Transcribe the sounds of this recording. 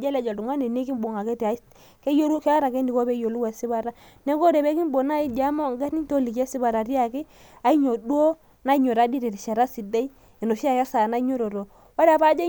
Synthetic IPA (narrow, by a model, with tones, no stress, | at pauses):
d͡ʒɛ˦lɛ˨˦d͡ʒa˨du˨ŋa˦ne˨ne˦ki˦mbo˨ŋa˨ke˦ti˨a˨˦ | ke˦jo˦ɾu˦ke˦a˦ɾa˨ke˦ndi˨ko˦bɛ˦jo˨lu˦wɛ˨sɪ˦ba˦ɾa˦ | nɛ˦ko˦ɾe˨bɛ˦ki˦mbo˨na˦i˦d͡ʒa˦mɔ˦˨ŋɡa˦ni˦n˦to˦li˨kɛ˦si˦ba˨ɾa˨ɾi˦a˨kɪ˦ | a˨˦i˦ɲo˨dwo˦ | na˦i˦ɲo˨ɾa˨˦di˦ɾe˨ɾi˨ʃa˨ɾa˦si˨de˦i˦ | e˨no˨ʃa˦ja˦sa˨na˦ɲo˦ɾo˨ɾo˨ | a˦ɾa˨pa˦d͡ʒa˦